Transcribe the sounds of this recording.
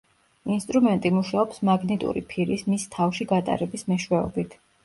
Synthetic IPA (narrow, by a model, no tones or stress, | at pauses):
inst̪ʼɾumɛnt̪ʼimuʃaɔpsmaɡnit̪ʼṵɾḭpʰiɾismist̪ʰafʃiɡat̪ʼa̰ɾɛbismɛʃwɛɔ̰bit̪ʰ